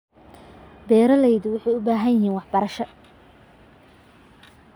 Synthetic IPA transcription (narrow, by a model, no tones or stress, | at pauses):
bɛːɾɐlɛjðʊwʊħɑjʊbaːɦɐjhiːnwɑħbɐɾɐʃɐ